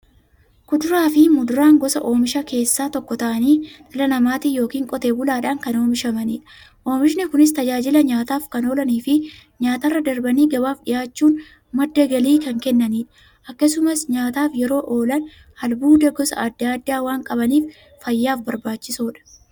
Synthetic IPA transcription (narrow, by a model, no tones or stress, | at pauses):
kʊd̪ʊɾaːfɪmʊd̪ʊɾaːŋɡɔsɐ̰ʔo̞ːmɪʃɐke̞ːsːaːt̪ɔkːɔt̪ɐʔɐniːt̪ʼɐlɐnɐmaːt̪ijo̞ːkiːŋkʼɔt̪e̞ːbʊlaːᶑaːŋkɐnoːmɪʃɐmɐniːᶑɐ̥ | ʔo̞ːmɪʃnɪkʊnɪs̬t̪ɐd͡ʒaːd͡ʒɪlɐɲaːt̪aːfkɐno̞ːlɐniːfɪɲaːt̪ɐrːɐd̪ɐɾbɐniːɡɐbaːfᶑɪjaːt͡ʃːuːn | mɐd̪ːɐɡɐliːkɐŋkɛnːɐniːᶑɐ | ʔɐkːɐsʊmɐsɲaːt̪aːfjɛɾo̞ːʔo̞ːlɐn | hɐlbuːd̪ɐɡɔsɐ̰aːd̪ːaːd̪ːaːwaːŋkʼɐbɐniːf | fɐjːaːfbɐɾbaːt͡ʃːɪsoːᶑɐ̥